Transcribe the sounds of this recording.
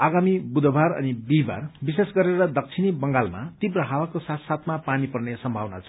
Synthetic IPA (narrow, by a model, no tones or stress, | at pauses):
aɡamibud̪ʱbʱaɾʌ̰nibiba̰rbisesɡʌɾeɾʌd̪ʌk̚t͡sʰinibʌŋɡalma̰t̪ibrʌɦawakosat̪sat̪ʰmapanipʌrnesʌmbʱawna̰t͡sʰʌ̥